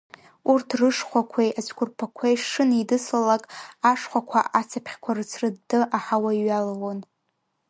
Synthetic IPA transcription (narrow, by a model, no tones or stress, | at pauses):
urtʰrɨʂχʷakʷʰejʔat͡ʃʰʼkʷʰʼʊrpʰakʷʰejʂɨnidɨslalakʼaʂχʷakʷʰa̰ʔat͡sʰapʰχʲkʷʰarɨt͡sʰrɨdːɨʔaħawaiɥalawon